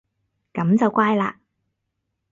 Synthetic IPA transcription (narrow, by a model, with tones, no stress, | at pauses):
kɐ˨˥mt͡sɐ˨wkʷaː˥jla̰ː˧